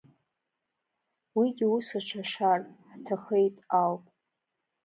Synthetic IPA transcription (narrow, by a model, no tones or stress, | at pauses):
wiɡʲiusaʈ͡ʂʷʰaʂarħtʰaχejtʼawpʼ